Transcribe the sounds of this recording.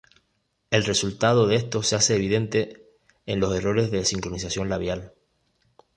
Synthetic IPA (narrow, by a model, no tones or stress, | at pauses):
e̞lre̞sult̪að̞o̞ðeest̪o̞sease̞ːβiðe̞nt̪e̞ː | nlo̞se̞ro̞ɾe̞zðe̞siŋkɾo̞nisasjo̞nlaβjal